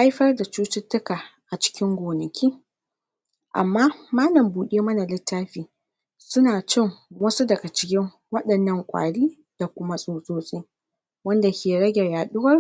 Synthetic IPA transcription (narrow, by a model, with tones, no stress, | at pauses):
ʔa˦jɸɐ˦rda˨t͡ʃuː˦t͡ʃɪ˦tːʊ˦kaː˨ʔa˨t͡ʃɪ̥˦kʲɪ˦ŋɡʷoː˨nɐ˨kʲʰiː˦ | ʔa̰˨mːaː˦maː˦lɐ˨mbuː˨ɗeː˦mɐ˦na˨lɪ˦tːaː˦ɸiː˨ | sʊ˦naː˨t͡ʃɪ˦ŋwɐ˦su˦dɐ˨ɡa˨t͡ʃɪ̥˦kʲɪ˦ŋ | wɐ˦ɗɐ˨nːɐ˦ŋkʷʼa̰ː˨ɽiː˦ | d̥a˨kʷʊ˦ma˦sʼoː˨soː˦sʼeː˦ | wɐ˦nda˨kʲeː˨ɽɐ˦ɡʲɛ˨rjaː˨ɗʊ˦wɐ˦r